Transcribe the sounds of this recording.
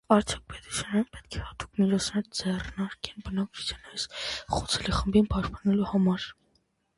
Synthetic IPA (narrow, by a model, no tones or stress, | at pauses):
ɑɾt͡sʰjɔk̚pɛt̪u̥sjɑnɛɾɛnpɛt̪̚kʰɛhɑt̪u̥kmit͡ʃʰɔt͡sʰnɛɾəd͡zɛrnɑɾkɛnbənɑkt͡ʃʰu̥t͡sʰjɑnɑjsχut͡sʰɛliχəmbinpɑʃpɑnɛluhɑmɑɾ